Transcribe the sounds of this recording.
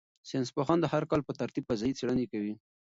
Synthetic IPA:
senspoxɑnd̪əhaɾkɑlpət̪aɾt̪ib̚pazajit͡seɽənekawi

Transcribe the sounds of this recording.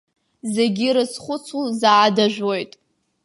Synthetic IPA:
zeɡʲiɾɨt͡sʰχʷʊt͡sʰuzaːdaʒᶣʷo̞jtʼ

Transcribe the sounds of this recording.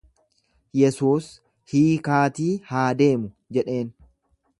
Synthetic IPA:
jɛsuːs | hiːkaːt̪iːhaːd̪e̞ːmʊ | d͡ʒɛᶑe̞ːn

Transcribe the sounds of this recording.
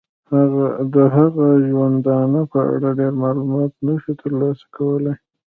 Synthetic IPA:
haɣad̪əɦaɣaʒwand̪ɑnəpəa̰ɽaɖeɾmɑlumɑt̪̚naʃut̪əɾlɑsḁkʰawəlaj

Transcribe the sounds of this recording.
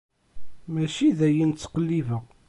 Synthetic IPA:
mæʃiðæjənt͡sːqəlːivæ

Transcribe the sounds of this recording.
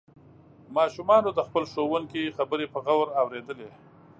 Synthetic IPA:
mɑʃumɑnod̪əxpəlʂowəŋkixabəɾepəɣawɾawɾed̪əle

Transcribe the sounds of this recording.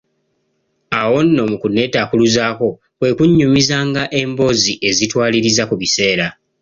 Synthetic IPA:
awo̞nːo̞mukune̞takuluzaːko̞ | kwe̞ːkuɲːumizaːŋɡaʔe̞mbo̞ziʔe̞zitwaːliɾizakuβise̞ːɾa

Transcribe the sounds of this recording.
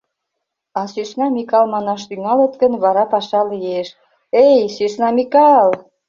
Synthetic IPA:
ɑsyʃnɑmikɑlmɑnɑʃt̪yŋɑlet̪ɡənβɑɾɑpɑʃɑlijeʃ | ejsyʃnɑmikɑl

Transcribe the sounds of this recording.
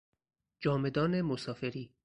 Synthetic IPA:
d͡ʒɒːme̞d̪ɒːnemosɒːfe̞ɾiː

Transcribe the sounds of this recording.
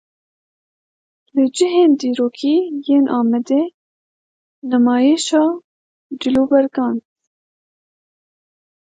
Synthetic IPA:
lɨd͡ʒɪɦeːnd̪iːɾoːkʰiːjeːnʔɑːmɛd̪eː | nɛmɑːjeːʃɑː | d͡ʒɪloːbɛɾɡɑːn

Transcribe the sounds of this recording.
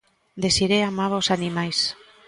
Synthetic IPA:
d̪esiɾeamaβosanimajs

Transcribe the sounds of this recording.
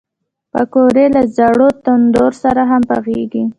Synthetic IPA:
pəkoɾelazaɽot̪and̪oɾsaɾaɦampa̰xeɡi

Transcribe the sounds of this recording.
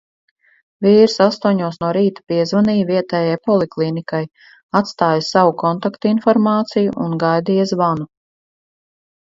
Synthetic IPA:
viːɾsast̪uɲuɔsnuɔɾiːt̪ḁpiɛzvaniːviɛt̪ɛːjajpɔlˠiklˠiːnikaj | at̪st̪aːjasavukɔnt̪akt̪infɔɾmaːt̪sijuʔunɡajd̪iːzvanu

